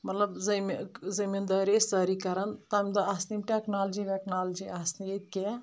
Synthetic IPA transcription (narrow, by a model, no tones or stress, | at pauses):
mɐt̪lɐbzɐmzimind̪ɐɾesd̪əɾikɐɾɐnt̪ɐmʲd̪ɐaːsnimʈeknaːld͡ʒiʋeknaːld͡ʒiasniek̪̚ke